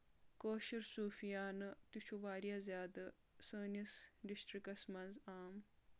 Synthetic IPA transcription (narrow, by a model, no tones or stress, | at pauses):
koːʃiɾsuːfijaːnɨt̪ut͡ʃʰuʋaːɾjazʲjaːd̪ɨ | səːnisɖisʈɾikɐsmɐnzaːm